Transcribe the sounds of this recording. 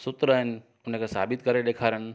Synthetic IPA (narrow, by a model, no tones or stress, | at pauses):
sʊt̪ɾəɦen | ʊnekesa̰bit̪kəɾed̪ekʰaɾən